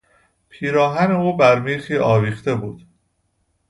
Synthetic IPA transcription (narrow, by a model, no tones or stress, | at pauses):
pʰiːɾɒːɦæne̞uːbæɾmiːxiːʔɒːviːxt̪e̞buːd̪̥